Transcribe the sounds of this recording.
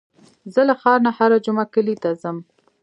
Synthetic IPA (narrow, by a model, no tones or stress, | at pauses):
zəlaxɑɾnahaɾad͡ʒʊmakəlit̪azəm